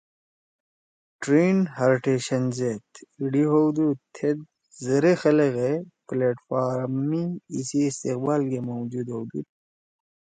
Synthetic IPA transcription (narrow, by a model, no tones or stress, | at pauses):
ʈɾiːnɦaɾʈeːɕɐnzet̪iɖiɦowd̪ut̪ʰed̪̚ | zɐɾexɐlɐɣepleːʈfaːɾmmiːsiːst̪eq̚baːlkemowd͡ʒuːd̪ɦowd̪ṵ